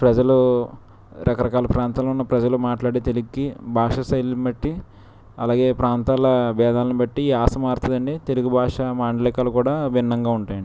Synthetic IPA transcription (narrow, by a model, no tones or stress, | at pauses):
pɾɐd͡ʒɐlu | ɾʔɐkɐɾɐkaːlɐpɾaːnt̪aːlunːɐpɾɐd͡ʒɐlumaːʈlaːɽit̪eluɡkːibʱaːʂɐsɐjlubɐʈːi | ɐlaːɡe̞ːpɾaːnt̪aːlɐbɛːd̪aːlɐnibɐʈːiːaːsɐmaːɾt̪ɐd̪ɐɳɖit̪e̞luɡubʱaːʂɐmaːɳɖɐlikaːlukuːɽaːʋinːɐŋɡaːuɳʈaːjɐɳɖi